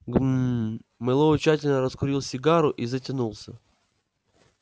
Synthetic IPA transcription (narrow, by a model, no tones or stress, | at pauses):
ɡ | mɨlˠoʊt͡ɕatʲɪlʲnəɾəskʊɾʲilˠsʲɪɡaɾʊʔizətʲɪnulˠsʲə